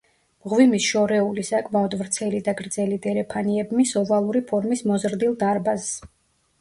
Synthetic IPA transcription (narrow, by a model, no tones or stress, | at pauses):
mʁvimisʃɔɾɛulisakʰmaɔd̪vɾt̪sʰɛlid̪aɡɾd̪zɛlid̪ɛɾɛpʰaniɛbmisɔvalˠuɾipʰɔɾmismɔzɾd̪ilˠd̪aɾbas